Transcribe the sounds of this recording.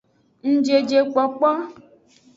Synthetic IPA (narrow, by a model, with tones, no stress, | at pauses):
ŋ̩˦d͡ʒe˨d͡ʒe˨k͡pɔ˨k͡pɔ˦